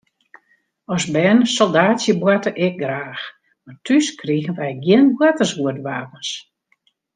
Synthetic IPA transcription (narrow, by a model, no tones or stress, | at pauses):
ɔsbɛnsɔlˠdaːtsjəbwatəʔɛk̚ɡraːx | martʰyskriɣən̩ʋɛjɡjɪnbwatəsʋuətʋaːpəns